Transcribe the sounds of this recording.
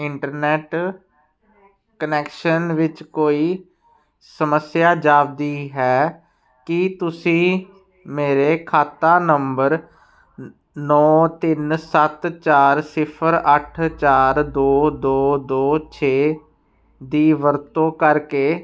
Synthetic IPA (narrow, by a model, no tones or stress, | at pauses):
ɪɳʈəɾnɛːʈ | kənɛːkʃənʋɪt͡ʃkoːiː | səməsɪjaːd͡ʒaːʋd̪iːɦɛː | kɪt̪ʊsĩː | meːɾeːkʰaːt̪aːnəmbəɾ | nɔːt̪ɪnsət̪t͡ʃaːɾsɪpʰəɾəʈʰt͡ʃaːɾd̪oːd̪oːd̪oːt͡ʃʰeː | d̪iːʋəɾt̪õːkəɾkeː